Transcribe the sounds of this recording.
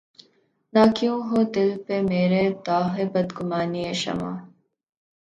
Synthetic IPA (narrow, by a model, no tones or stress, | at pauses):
naːkjũːɦoːd̪ɪlpemeːɾet̪aːɦebɐd̪ɡʊmaːnieʃɐ̰ma̰ː